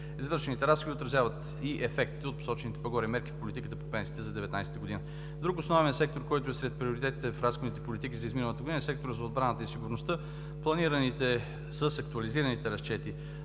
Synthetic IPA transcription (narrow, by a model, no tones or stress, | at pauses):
izvɤɾʃɛnit̪ɛɾasxoviot̪ɾɐzjavət̪ | iʔɛfɛkt̪i̥t̪ɛot̪po̥sɔt͡ʃɛnit̪ɛ̥pɐɡɔɾimɛɾk̟ifpolit̪ikət̪əpopɛ̃nsiːt̪ɛzɐd̪ɛvɛt̪na̰jsɛ̥t̪əɡod̪inə | d̪ɾukosnɔvɛsɛk̚t̪oɾkɔjt̪oɛsɾɛt̪̚pɾioɾit̪ɛt̪it̪ɛfɾasxod̪it̪ɛpolit̪ikʲizɐizminəlˠət̪əɡod̪inəɛsɛk̚t̪oɾət̪zɐod̪̚bɾanət̪əisiɡʊɾnost̪ə | plˠɐniɾɐnit̪ɛ | səsɐk̚t̪uɐliziɾənit̪ɛɾɐst͡ʃɛt̪i